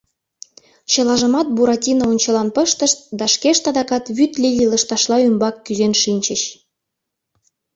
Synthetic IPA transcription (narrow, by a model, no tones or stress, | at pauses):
t͡ɕɤ̆lɑʒə̆mɑt̪̚buɾɑtʲinəonʲt͡ɕə̆lɑnpəʃt̪əʃt̪̚d̪ɑʃkeʃt̪ɑd̪ɑkɑt̪βyt̪lʲilʲilə̆ʃt̪ɑʃlˠɑymbɑkːyzenʃinʲt͡ɕə̆ɕ